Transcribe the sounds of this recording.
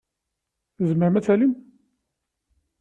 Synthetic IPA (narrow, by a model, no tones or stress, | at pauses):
zməʕmæt͡sælim